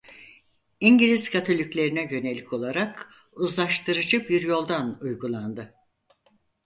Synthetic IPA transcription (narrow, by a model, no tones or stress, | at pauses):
iɲɟilʲiz̥kʰat̪ʰo̞lʲicʲlʲe̞ɾinɛjø̞nelʲːicʰo̞lˠaɾak | uzlˠaʃt̪ʰɯɾɯd͡ʒɯbiɾjo̞lˠd̪anujɡulˠand̪ɯ